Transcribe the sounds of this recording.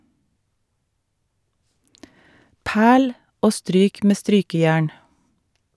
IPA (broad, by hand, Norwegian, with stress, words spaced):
ˈpæːɭ ˈoː ˈstɾyːk ˈmeː ˈstɾyːkəˌjæːɳ